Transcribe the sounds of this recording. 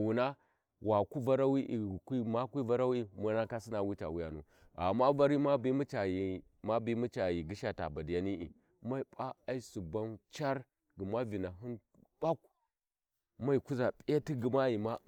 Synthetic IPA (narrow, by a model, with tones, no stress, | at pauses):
wu˨na˦ | wa˨ku˦va˦ɾa˦wi˦ʔi˨kʷi˦ma˦kʷi˦va˦ɾa˦wi˦mu˦na˦ka˦si˦na˨wi˦ta̰˨wu˦ja̰˨nṵ˨ | a̰˨mːa˦va˦ɾi˦ma˦bi˦mu˦t͡ʃa˨ji˨ | ma˦bi˦mu˦t͡ʃa˨ji˨ɡi˦ʃa˨ta̰˨ba˨di˨ja˦ni˦ʔḭ˨ | ma˦i˨˦pa˦a˦i˦su˨ba˦nt͡ʃa˦ɾ | ɡi˨ma˦vi˨na˨ɦi˦n | b̥a˦k̚ | ma˦i˨ku˦za˨pʼi˦a˦ti˦ɡi˨ma˦ji˨ma˦